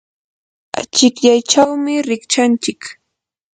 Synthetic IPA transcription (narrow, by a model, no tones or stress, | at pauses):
a̰t͡ʃɪkʎajt͡ʃawmɪɾɪkt͡ʃant͡ʃɪk